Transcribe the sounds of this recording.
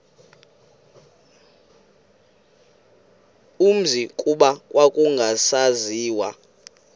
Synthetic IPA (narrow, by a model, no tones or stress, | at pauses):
um̩zikʼuɓawʔakʼuŋɡʱasaziːwa̰